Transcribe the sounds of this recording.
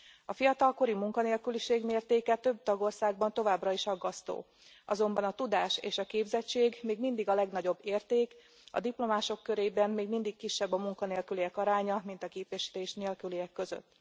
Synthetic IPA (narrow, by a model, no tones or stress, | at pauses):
ɒfijɒt̪ɒlko̞ɾimuŋkɒneːlkyliʃeːɡmeːrt̪eːkɛt̪ø̞b̚t̪ɒɡo̞rsaːɡ̚bɒnt̪o̞vaːbrɒiʃɒɡːɒst̪o̰ː | ɒzo̞mbɒnɒt̪ud̪aːʃḛːʃɒkeːbzɛt͡ʃːeːɡmeːɡmind̪iɡɒlɛɡnɒɟo̞bːeːrt̪eːk | ɒ̰d̪iplo̞maːʃo̞kːø̞ɾeːbɛmːeːɡmind̪ikkiʃːɛbːɒmuŋkɒneːlkyliɛkɒɾaːɲɒmint̪ɒkeːpɛʃi̥t̪eːʃneːlkyliɛkːø̞zø̰t̪ː